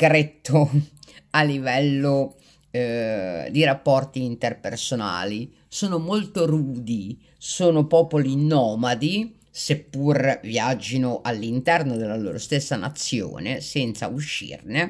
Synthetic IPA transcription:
kɾet̪ʰːo | alːivɛlːo | d̪iɾapːɔrt̪iːnt̪erpersona̰ːli | soːnomolt̪oɾuːd̪i | soːnopɔːpolinːɔːmad̪i | sepːurviad͡ʒːinoʔalːint̪ɛrnod̪elːalo̰ːɾost̪esːana̰t̪sːjo̰ːnesɛnt̪sa̰uʃːḭrne

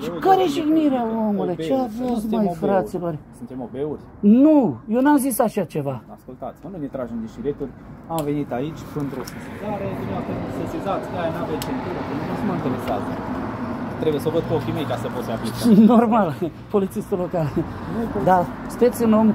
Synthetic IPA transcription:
kaɾejeʒiɡniɾeawomulujt͡ʃeavezmajfɾɾat̪silorʲsunt̪emobeurʲ | nujewnamzisaʃat͡ʃe̞vaaskult̪at̪sʲmənujnet̪ɾaʒemd̪eʃiɾet̪urʲamve̞nit̪ait͡ʃʲpɨnt̪ɾusisizaɾesineapeusesizat̪sʲk̪ajnavet͡ʃent̪uɾəkenunusumaɨnt̪elesa̰z | t̪ɾe̞bujesovəd̪̚kuokʲimejkasəpot̪saplit̪no̞rmal | po̞lit̪sist̪ilokalnd̪asɨ̥t̪et̪sʲɨno̞m

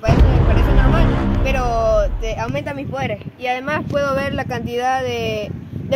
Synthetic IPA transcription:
paɾesomepaɾeseno̞ɾmalpe̞ɾot̪eawment̪amispoðe̞ɾesiaðe̞maspwe̞ðo̞βe̞ɾlakant̪iðaðe | d̪e

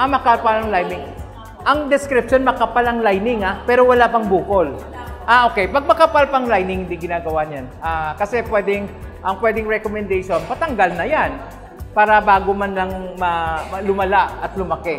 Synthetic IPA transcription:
ʔɐmɐkalpalɐŋlajnɪŋ | ʔɐŋd̪ɪskɾɪp̚ʃonmɐkɐpalɐŋlajnɪŋapɛːɾo̞wɐlapɐŋbuːkol | ʔaʔo̞kɛjpɐɡ̚mɐkɐpalpɐŋlajnɪŋhɪnd̪iɡɪnaːɡɐwaɲanʔakɐsɛpwɛːd̪ɛŋʔɐŋpwɛd̪ɪŋɹɛkomɛnd̪ɛjʃo̞npɐt̪ɐŋɡalnɐjan | paːɾɐbaːɡomanlaŋmɐmɐlʊmɐlaʔɐt̪̚lʊmɐkɛ

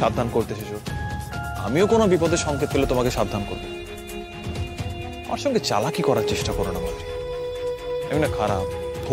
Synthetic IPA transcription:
abd̪ʱankoɾt̪eʃeʃo | a̰miokonobipɔd̪ʱeɾʃɔŋket̪ɦelet̪omakeʃab̚d̪ʱankoɾbo | a̰maɾʃɔŋɡet͡ɕa̰lakikɔɾaɾt͡ɕeʃʈakɔɾonamadɾi | aminakʰaɾap̚bʱo

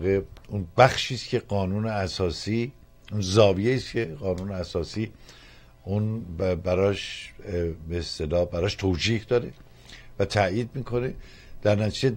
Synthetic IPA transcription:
ɣeunbæxʃiːscʰe̞ɢɒːnuːneæsɒːsiː | unzɒːvijeiːscʰeɢɒːnuːneæsɒːsiː | ʔunbæɾɒːʃ | beest̪elɒːbæɾɒːʃt̪ʰoːd͡ʒiːhd̪ɒːɾe | væt̪ʰæiːd̪̚miːkʰo̞ne | d̪̥æɾnæt̪ʰid͡ʒe

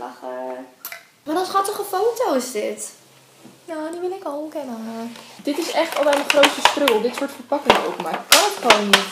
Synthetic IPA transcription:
ɑχə | ʋɔnənχɑtəχəfowtowɪsdɪt | noːdimɪlɪkəlmkɛnəχad̥ɪtɪsɛχtɑlˠbɛjməχrowtsəstrøːlˠdɪtsʊːɹtfəɹpɑkɪŋo̰wkmaːɪkːɑnətχəʋownːit

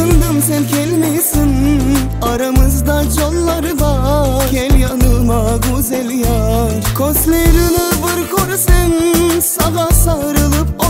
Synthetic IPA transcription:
ɯnd̪ɯmsɛnkʲʰɛlʲmɛjsin | aɾamɯzd̪ad͡ʒolˠːaɾɯvˠakʲʰɛlʲjanɯlˠmaɡozɛlʲjaɾkʰost̪lʲeɾinɯvɯɾkʰoɾsɛnsavasaɯɾɯlˠɯp̚o

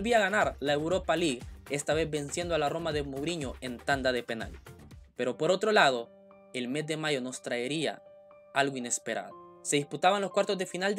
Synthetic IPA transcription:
lβiaɣanaɾlae̞wɾo̞paliɣe̞st̪aβe̞zbe̞nsje̞nd̪oalaro̞maðe̞moβɾiɲo̞e̞nt̪and̪aðe̞pe̞na̰lpe̞ɾo̞po̞ɾo̞t̪ɾo̞lað̞o̞ | e̞lme̞zd̪e̞maʝo̞no̞st̪ɾaeɾia̰ | alɣoine̞spe̞ɾa̰ðo | se̞ðisput̪aβanlo̞skwaɾt̪o̞zðe̞finald̪

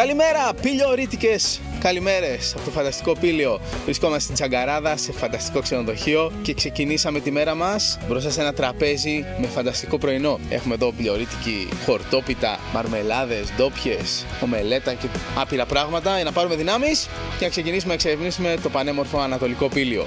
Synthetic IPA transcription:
kɐlime̞ɾɐpiʎo̞ɾit̪ice̞skɐlime̞ɾe̞sɐpo̞t̪ofɐnd̪ɐst̪i̥ko̞pilio̞vɾiskomɐset̪id͡zɐŋɡɐɾɐðɐse̞fɐnd̪ɐst̪i̥ko̞ksenoðo̞çio̞ce̞kse̞cinisɐme̞t̪ime̞ɾɐmɐsbɾosɐsenɐt̪ɾɐpe̞zime̞fɐnd̪ɐst̪iko̞pɾo̞ino̞e̞̰xume̞ðo̞piʎo̞ɾit̪i̥cḭxo̞ɾt̪o̞pit̪ɐ̰mɐ̰ɾme̞lɐðe̞zd̪o̞pçe̞so̞me̞le̞t̪ɐce̞ɐpiɾɐpɾɐɣmɐt̪ɐʝɐnɐpɐɾume̞ðinɐmis | ce̞nɐkse̞cinis̬umenɐkseɾevnisume̞t̪o̞pɐne̞mo̞ɾfo̞ɐnɐt̪o̞liko̞pilio̞̰

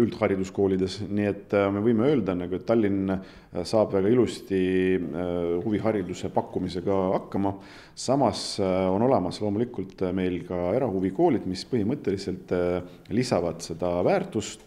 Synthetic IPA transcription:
yld̪̥hɑɾʲid̪usko̞ːlʲid̪e̞snie̞t̪ːme̞vɤjmeø̞ːld̪ɑnɑɡuet̪ːɑlʲːin | sɑːb̥væɡ̥ɑilust̪i | huviɦɑɾid̪use̞pɑkːˑumise̞ɡ̥ɑɑkːɑmɑ | sɑmɑso̞no̞le̞mɑslo̞ːmulikːˑult̪me̞jlkɑeɾɑhuviko̞ːlʲid̪̥mispɤhimɤt̪ːˑe̞lise̞lt̪ˑ | lisɑvɑd̪̥se̞d̪̥ɑvæːrt̪ˑust̪

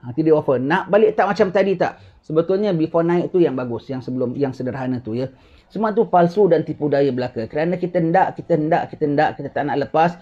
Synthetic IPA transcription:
at̪idəʔwafənaʔbalɪʔt̪aʔmat͡ʃamt̪adit̪a̰ʔ | səbət̪ʊlɲəbifɔnãɪʔ̚t̪ujaŋbaɡʊsjaŋsəbəlʊmjaŋsənəɾɦanə̃t̪ujə | səmuat̪upalsudant̪ipudajəbəlakakəɾanãkit̪əndaʔkit̪əəndaʔkit̪əndaʔkit̪ət̪aʔnaʔləpas

